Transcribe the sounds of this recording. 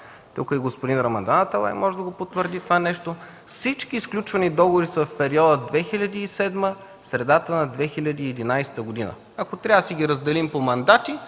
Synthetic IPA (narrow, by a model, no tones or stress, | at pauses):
t̪ukiɡospod̪inɾɐmɐnd̪anət̪alˠa̰jmɔʒɛd̪ɐɡopot̪vəɾd̪it̪ovanɛʃt̪o | fsit͡ʃkisklʲut͡ʃvɐnid̪ɔɡovoɾisəfpɛɾiɔd̪əd̪vɛxilʲɐd̪iːsɛd̪mə | sɾɛd̪at̪ənɐd̪vɛxilʲɐd̪iːɛd̪inajst̪əɡod̪inə̰ | ɐkot̪ɾʲasiɡʲiɾəzd̪ɛlimpomɐnd̪at̪i